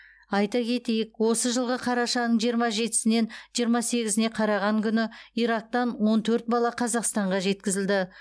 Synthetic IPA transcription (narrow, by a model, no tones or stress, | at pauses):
ɑjt̪ɑkʲʰe̞t̪e̞jɪkwo̞səʒəlˠʁəqʰɑɾɑʃɑnəɴʒijəɾmɑʒe̞t̪ɪ̥sɪne̞nʒijəɾmɑse̞ɡʲɪzɪne̞qʰɑɾɑʁɑŋkʲʰʏnɪijɾɑk̚t̪ɑnwo̞nt̪ʰɵɾt̪̚bɑlˠɑqʰɑzɑqst̪ɑɴʁɑʒe̞t̪̚kʲɪzɪld̪ɪ